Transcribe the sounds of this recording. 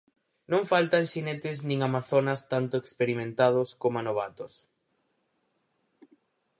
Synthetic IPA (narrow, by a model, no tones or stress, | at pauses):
nõŋfalt̪aŋʃinet̪ɪznĩŋamaθonɐst̪ant̪ʊekspeɾimẽnt̪að̞ʊskomanoβ̞at̪os